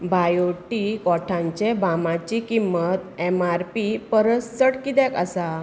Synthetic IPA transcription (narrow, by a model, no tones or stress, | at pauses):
bajoʈikɔʈʰãɲt͡ɕebamãt͡ɕikimːət̪ɛmaɾpipəɾəsːəʈkid̪ɛ̃kasa